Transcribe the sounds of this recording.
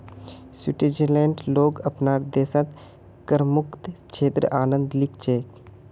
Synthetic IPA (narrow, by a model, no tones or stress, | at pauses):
siʈed͡ʒelẽːɳʈloːɡəpnaːɾd̪eːsət̪ | kəɾmʊkt̪t͡ʃʰeːt̪ɾə̰ʔaːnə̃nd̪lɪkt͡ʃeːk